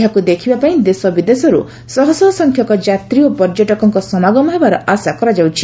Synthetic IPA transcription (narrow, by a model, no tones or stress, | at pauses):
akud̪ekʰibapaĩd̪esɔbid̪esɔɾṵ | sɔɦɔsɔsɔŋkʰjɔkɔd͡ʒat̪ɾiopɔɾd͡ʒɔʈɔkɔŋkɔsɔnaɡɔmɔɦebaɾɔʔasakɔɾad͡ʒawt͡ʃʰi